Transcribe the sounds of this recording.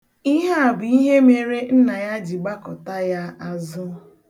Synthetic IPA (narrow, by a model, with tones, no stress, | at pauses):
i˦ɦe˦a˨bʊ˨i˦ɦe˦me˦ɾe˦n̩˦na˨ja˦d͡ʒi˨ɡ͡ba˦kɔ˨ta˦ja˦a˨zʊ˦